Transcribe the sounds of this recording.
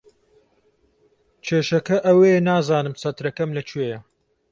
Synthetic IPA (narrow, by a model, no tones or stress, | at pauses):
t͡ʃʰeːʃɐkɐʔɐwejnaːzaːnɨmsɐt̪ɾɐkɐmlɐt͡ʃʰweːjɐ